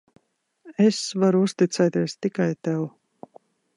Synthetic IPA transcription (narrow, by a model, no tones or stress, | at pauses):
esvaɾuust̪it̪sɛjt̪iɛst̪ikajt̪ɛw